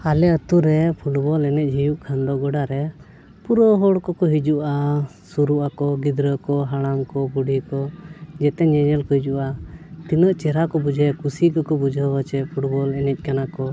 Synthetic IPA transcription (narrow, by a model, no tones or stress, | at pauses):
alɛət̪uɾɛpʰuʈbɔlɛnɛc̚ˀd͡ʒʱijuʔkʰand̪ɔɡɔɖaɾɛ | puɾɔɦɔɽkɔkɔɦid͡ʒuʔa | suɾuʔakɔɡid̪ɾəkɔɦaɽ̃amkɔbuɖʱikɔd͡ʒɛt̪ɛɲɛɲɛlkɔɦid͡ʒuʔat̪inəʔt͡ʃɛɾakɔbud͡ʒʱɛkusikɔkɔbud͡ʒʱəbət͡ʃɛpʰuʈbɔlɛnɛc̚ˀkanakɔ